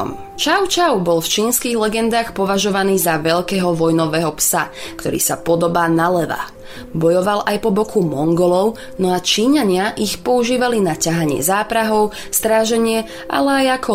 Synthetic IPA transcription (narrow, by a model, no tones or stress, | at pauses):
m | t͡ʃaʊt͡ʃaʊbɔlft͡ʃiːnskiːɣlɛɡɛnd̪aːxpɔʋaʒɔʋaniːzaʋɛʎkɛːɦɔʋɔjnɔʋɛːɦɔpsakt̪ɔɾḭːsapɔd̪ɔbaːnalɛʋa̰ | bɔjɔʋalʔajpɔbɔkʰumɔŋɡɔlɔʊ | nɔat͡ʃiːɲaɲɪaʔixpɔuʒiːʋalinacaɦaɲɪɛ̰zaːpɾaɦɔʊ | st̪ɾaːʒɛɲɪɛ | ʔa̰lɛajakʰɔ